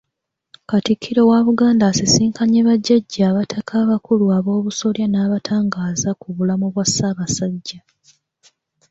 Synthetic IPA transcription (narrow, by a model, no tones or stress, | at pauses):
katikʰːiɾo̞waːβuɡaːndaːsisiːŋkaɲeβaɟːaɟːaːβatʰakʰaːβakuluaβo̞ːβuso̞ljanaːβatʰaːŋɡaːzakuβulamuβwasːaːβasaɟːa